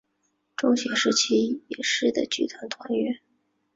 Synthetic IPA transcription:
ʈ͡ʂʊ˥˧ŋɕjɛ˧˥˩ŋʂɻ̩˥t͡ɕʰi˥jɛ˨˩ʂɻ̩˥˩d̪ə̰˨˩t͡ɕy˥˩t̪ʰwa˧˥nt̪ʰwa˧˥nɥɛ˧˥n

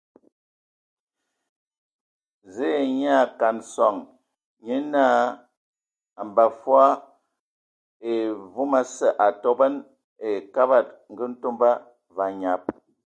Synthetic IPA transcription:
ze˦˨ɲ˦a˦˨ka˨nsɔ˨ŋ | ɲe˦naː˦˨ | a˨m˨ba˨fwa˦ | e˨vu˦ma˦sə˨ʔa˨tɔ˦bə˦n | e˨ka˦ba˦˨t̚ŋ̩˨ɡə˦n̩˦to˦mba˦ | va˨ɲa˨p̚

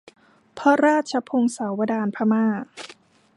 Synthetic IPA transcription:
pʰɔ˦˥ɾaː˥˩t̪̚t͡ɕʰa˧pʰo˧ŋsa˩˦wːa˧daː˧npʰa˦˧maː˥˩

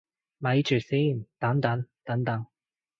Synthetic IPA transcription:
mɐ˨˥jt͡ʃyː˨˩si˥˩nt̪ɐ˨˥ŋt̪ɐ˨˥ŋt̪ɐ˨˥ŋt̪ɐ˨˧˥ŋ

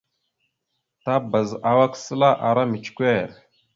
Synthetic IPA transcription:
ta˦ba˨za˨wa˦ksə˦la˦ʔa˨ɾa˦mi˨t͡ʃkʷe˦˨ɾ

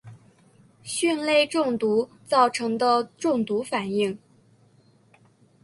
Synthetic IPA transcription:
ɕy˥˧nle˥˧ɪʈ͡ʂʊ˥˩ŋt̪u˧˥ | t͡sɑ˥˩ʊʈ͡ʂʰɤ˧˥ŋd̪ə˧ʈ͡ʂʊ˥˩ŋt̪u˧˥fa˨˩ni˥˩ŋ

